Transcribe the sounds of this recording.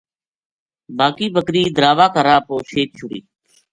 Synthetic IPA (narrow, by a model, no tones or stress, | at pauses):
baːkiːbəkɾiːd̪əɾaːʋaːkəɾaːpoːʃeːk̚t͡ʃʰʊɽḭː